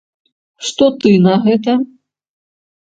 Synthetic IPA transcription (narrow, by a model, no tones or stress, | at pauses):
ʂt̪ɔt̪ɨnɐɣɛt̪ɐ